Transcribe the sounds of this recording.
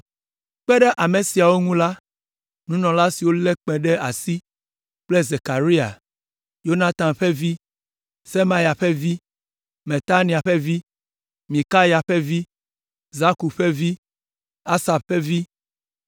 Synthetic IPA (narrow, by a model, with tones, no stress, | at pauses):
k͡pɛ˦ɖɛ˦ʔa˨me˨si˨a˨wo˦ŋũ˦la˦ | nũ˦nɔ̃˨la˦si˨wo˦lɛ˦k͡pɛ̃˨ɖɛ˦ʔa˨si˦ | k͡plɛ˦ze˨ka˨ɾi˦a̰˨ | jo˦nã˦t̪ã˨mɸɛ˦vi˦ | se˦mã˦ja˨ɸɛ˦vi˦ | me˨t̪a˦nĩ˨a˨ɸɛ˦vi˦ | mĩ˨ka˦ja˨ɸɛ˦vi˦ | za˦ku˨ɸe˦vi˦ | a˦sa˨bɸɛ˦vi˦